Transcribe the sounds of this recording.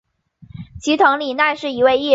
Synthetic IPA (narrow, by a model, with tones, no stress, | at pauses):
t͡ɕʰi˧˥t̪ʰɤ˧˥ŋli˨˩na˥˧ɪʂɻ̩˥˩i˧˥we˥˧ɪi˥˩